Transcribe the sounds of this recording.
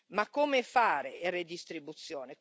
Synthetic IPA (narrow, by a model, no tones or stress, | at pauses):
makːomefaːɾeered̪ist̪ɾibut̪sːjɔːne